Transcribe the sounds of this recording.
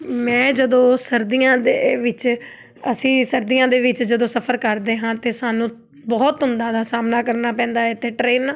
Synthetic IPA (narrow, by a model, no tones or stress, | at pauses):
mɛ̃ːd͡ʒəd̪õːsəɾd̪ijãːd̪eːʋɪt͡ʃ | əsĩːsəɾd̪ijãːd̪eːʋɪt͡ʃd͡ʒəd̪õːsəpʰəɾkəɾd̪eːɦãːt̪eːsaːnũː | bɔːt̪ɦʊnd̪aːd̪aːsaːmnaːkəɾnaːpɛ̃ːnd̪aːɛt̪eːʈɾeːnaː